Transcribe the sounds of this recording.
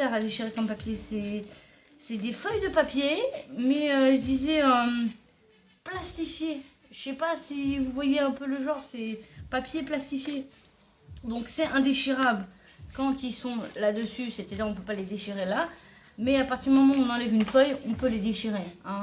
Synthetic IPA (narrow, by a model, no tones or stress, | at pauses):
aʁad̪eʃiʁekɔmpapjesɛ | sɛd̪efœjd̪əpapjemɛøʒd̪izɛø | plast̪ifje̥ | ʃɛpasivuvwajeɛ̃pøləʒɑ̃ʁsɛpapjeplast̪ifje | d̪ɔ̃ksɛɛ̃d̪eʃiʁabl | kɑ̃t̪isɔ̃lad̪əsysɛpət̪ɛd̪iʁɔ̃pøpaled̪eʃiʁela | mɛapaʁt̪iʁd̪əymɔmɑ̃ɔ̃nɑ̃lɛvynfœjɔ̃pøled̪eʃiʁeɛ̃